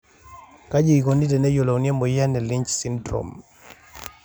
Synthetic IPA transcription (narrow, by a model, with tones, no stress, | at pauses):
ka˦d͡ʒi˦i˨ko˨ni˦tɛ˨nɛ˦jo˨lo˨u˨nja˦mɔ˨ja˦nɛ˨li˦ɲt͡ʃsi˦mdɾɔ̰˨m